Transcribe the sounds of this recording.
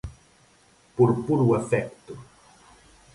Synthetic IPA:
puɾpuɾuefɛkt̪u

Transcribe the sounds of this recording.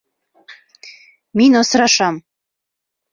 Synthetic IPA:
minosɾɑʃɑm

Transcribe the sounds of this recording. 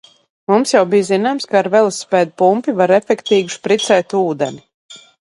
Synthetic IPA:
mumsjawbijzinaːjmskaːɾvɛlˠsːpɛːd̪̚pumpivaɾɛfʲɛkt̪iːɡuspɾit̪sɛjt̪uːd̪ɛni

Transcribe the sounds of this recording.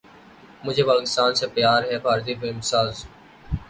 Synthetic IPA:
mʊd͡ʒʱeːpaːkɪst̪aːnseːpjaːɾɦɛːbʱaːɾt̪̬iːbeɪmsaːz

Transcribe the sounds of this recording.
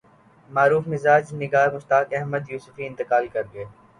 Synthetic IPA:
maːɾuːfmɪzaːd͡ʒnɪɡaːɾmʊst̪aːkɛɦməd̪juːsʊfiɪ̃nt̪ɪkaːlkɐɾɡɐeː

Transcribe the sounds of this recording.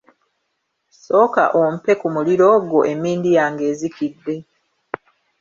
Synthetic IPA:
so̞ːka̰ʔom̩pe̞kumuliɾo̞ːɡo̞ʔe̞miːndijaːŋɡe̞ːzikidːe̞

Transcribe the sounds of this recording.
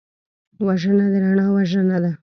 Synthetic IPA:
waʒənad̪eɾaɳawaʒənad̪a

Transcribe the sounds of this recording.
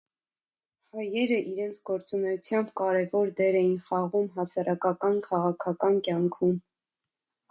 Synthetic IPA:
hɑjɛɾəʔiɾɛnt͡sʰɡɔɾt͡sunɛjut͡sʰjɑmbkɑɾɛvɔɾd̪ɛɾɛjinχɑʁumɦɑsɑɾɑkɑkɑnkʰɑʁɑkʰɑkɑnkjɑŋkʰum

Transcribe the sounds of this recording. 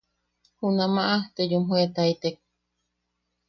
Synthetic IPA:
hunamaʔaht̪ejumhuet̪ait̪ek̚

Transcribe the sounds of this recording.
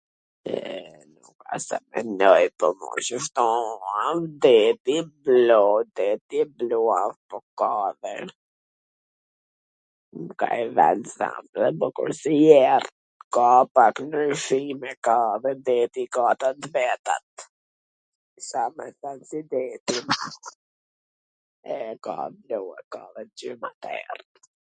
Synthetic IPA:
ɛ | nuka̰sɛ̰mɛ̰nɔjpɔmɔ̰ʃəft̪ɔamd̪ɛt̪iblɔd̪ɛt̪ibluapɔkaðə̰ɾ | mka̰ɛvɛ̰nza̰mðɛbəkṵɾsijɛɾt̪ | kapaknəʃimɛkaðɛd̪ɛt̪ikat̪at̪vɛt̪a̰t̪ | samɛθansid̪ɛt̪ina | ɛka̰bluakaðɛd͡ʒimat̪ɛ̰ɾt̪

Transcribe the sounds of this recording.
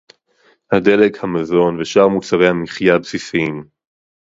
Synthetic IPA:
hadelekhamazo̞nveʃaʁmut͡saʁe̞jhamiχjabsisiim

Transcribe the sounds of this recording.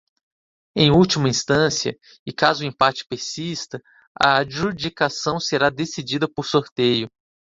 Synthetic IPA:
ẽj̃uwt͡ʃimɐĩst̪ɐ̃siɐ̰ | ɪkazʊẽpat͡ʃɪ̥peɾsist̪ɐ | ɐ̰aʒud͡ʒikasɐ̃w̃seɾad̪esid͡ʒid̪ɐpoɾsoɾt̪ejʊ

